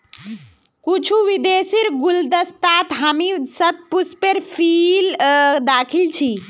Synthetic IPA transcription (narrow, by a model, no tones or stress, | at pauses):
kut͡ʃʰuʋid̪esiɾɡuld̪əst̪at̪ɦamisət̪̚puspeɾpʰild̪akʰilt͡ʃʰi